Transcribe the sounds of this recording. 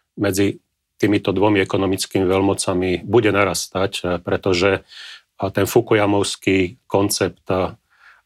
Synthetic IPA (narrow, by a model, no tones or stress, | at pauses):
mɛd͡zi | t̪iːmit̪ɔd̪ʋɔmiɛkɔnɔmit͡skiːmiʋɛlmɔt͡samibuɟɛnaɾast̪acpɾɛt̪ɔʒɛ | t̪ɛnfukujamɔʊskikɔnt͡sɛpt̪